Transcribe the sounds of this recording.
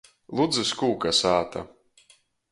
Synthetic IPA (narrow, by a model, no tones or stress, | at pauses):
lˠud̪zɨskuːkasaːt̪a̰